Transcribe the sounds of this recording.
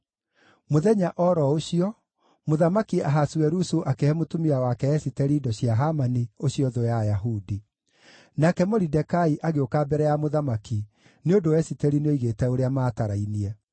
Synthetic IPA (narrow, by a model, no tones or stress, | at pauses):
moðɛɲaʔɔɾɔoɕiɔ | moðamakiaɦasuɛɾusuʔakehɛmotumiawakɛɛsitɛɾiːdɔɕiaɦamanioɕiɔðojajaɦudi | nakɛmɔɾidɛkaiʔaɣeokabɛɾɛjamoðamaki | neondoɛsitɛɾineoiɣetɛoɾeamaːtaɾainiɛ